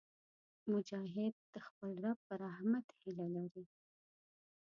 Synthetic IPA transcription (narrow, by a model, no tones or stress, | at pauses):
mʊd͡ʒɑɦɪd̪̚d̪̥əxpəlɾapəɾahmat̪hɪlalaɾi